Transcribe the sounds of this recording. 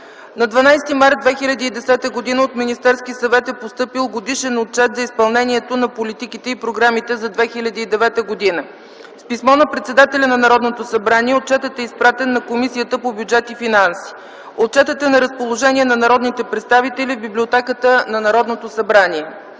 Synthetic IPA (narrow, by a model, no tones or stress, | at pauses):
nɐd̪vɐnajst̪imaɾt̪̚d̪vɛxilʲɐd̪iːd̪ɛsɛt̪əɡod̪inəot̪minist̪ɛɾskisɐvɛt̪ɛpost̪ɤpilˠɡod̪iʃɛnot̪̚t͡ʃɛt̪zɐispɐlˠnɛnʲiɛt̪onɐpolit̪ikit̪ɛipɾoɡɾamit̪ɛzɐd̪vɛxilʲɐd̪iːd̪ɛvɛt̪əɡod̪inə | spismɔnɐpɾɛt̪sɛd̪at̪ɛlʲɐnɐnɐɾɔd̪not̪osɐbɾaniɛot̪̚t͡ʃɛt̪ət̪ɛispɾat̪ɛnːɐkomisijət̪əpobʲjud͡ʒɛt̪ifinansi̥ | ot̪̚t͡ʃɛt̪ət̪ɛnɐɾəspolˠoʒɛnʲiɛnɐnɐɾɔd̪nit̪ɛpɾɛt̪st̪avit̪ɛlivbiblʲiot̪ɛkət̪ənɐnɐɾɔd̪not̪osɐbɾaniɛ